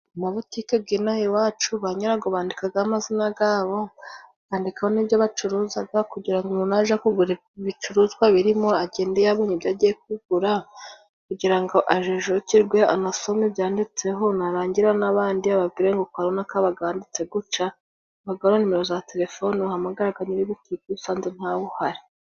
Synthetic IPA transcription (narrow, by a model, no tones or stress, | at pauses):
umaβutikeb̚ɡinajiwaːt͡ʃuβaɲaɾaɡoβaːndikaɡaamazinaɡaːβo̞ | βaːndikahoniβjoβat͡ʃuɾuːzaɡakuɟiɾaŋɡonunaʒakuɡuɾe | βit͡ʃuɾuːzɡwaβiɾimo̞aɟe̞ːndejaβoɲibjaɟijek̚uɡ̥uɾa | kuɟiɾaŋɡo̞ʔaʒeʒociɾɡwe̞a̰naso̞mibjaːndit͡se̞ɦo̞naɾaːɲɟiɾanaβaːndiaβabɡiɾeŋɡokwaɾonakaβaɡaaːndit͡se̞ɡut͡ʃa | βaɡaβanonimeɾo̞zate̞ɾe̞fo̞nuhamaɡaɾaɡaɲiɾiβokikusaːnzen̥haβuhaɾi